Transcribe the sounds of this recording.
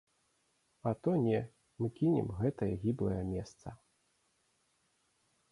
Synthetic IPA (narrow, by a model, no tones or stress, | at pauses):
ɐt̪ɔnʲɛ | mɨkʲinʲɛ̰mɣɛt̪ɐjɐɣʲiblˠɐ̰jɐmʲɛst̪sɐ